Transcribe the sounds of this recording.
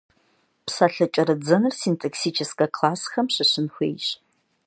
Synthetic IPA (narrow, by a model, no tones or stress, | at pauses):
psaːɬɐt͡ʃʼɐɾɨd͡zɐnɨrsintʰʼɐksiːt͡ʃʰɪskʼɐkʰlaːsxɐmɕɨɕɨnxʷḛːjɕʼ